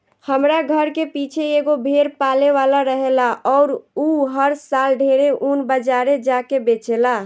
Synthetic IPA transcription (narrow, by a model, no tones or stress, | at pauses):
həmɾaɡʱəɾkepit͡ʃʰeeɡobʱeɾpaleʋalaɾəɦelaʔɔːɾuɦəɾsalɖʱeɾeʔunbəd͡ʒaɾed͡ʒakebet͡ʃela